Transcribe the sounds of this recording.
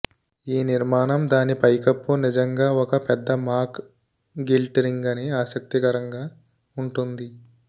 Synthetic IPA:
iːniɾmaːnɐmd̪aːnipɐjkɐpːunid͡ʒɐŋɡaːɔkɐpɛd̪ːɐmaːɾk | ɡilʈɐɾiŋɡɐneaːsɐk̚t̪ikɐɾɐŋɡaː | uɳʈund̪i

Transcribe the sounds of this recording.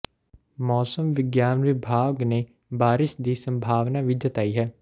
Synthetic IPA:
mɔːsəmʋɪɡjaːnʋɪbʱaːɡne | baːɾɪʃd̪iːsə̃mbʱaːʋnaːʋɪd̪jət̪aːiːɦɛː

